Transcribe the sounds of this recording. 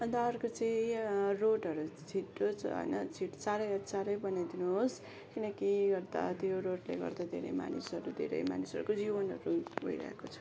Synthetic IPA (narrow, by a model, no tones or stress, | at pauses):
ʌnt̪aʌrkot͡sʌĩroʈɦʌɾut͡sʰiʈːot͡sʰɦʌ̰jnʌt͡sʰiʈsaɾʌjʌsaɾʌjbʌnajd̪inuɦos | kinʌkiɡʌrd̪a̰t̪joɾoʈleɡʌ̰rd̪ad̪ʱḛɾʌ̰jma̰nisʌɾud̪ʱḛɾʌ̰jma̰nisʌɾukod͡zibʌnɦʌ̰ɾubʱʌiɾʌ̰ɦḛkot͡sʰʌ̥